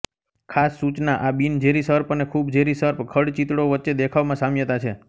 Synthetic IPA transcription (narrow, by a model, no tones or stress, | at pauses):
kʰasːut͡ʃnaʔabind͡ʒeɾisəɾpənekʰubd͡ʒeɾisəɾpkʰəɽt͡ʃit̪ɽoʋətːʃed̪ekʰaʋmãsamjət̪at͡ʃʰe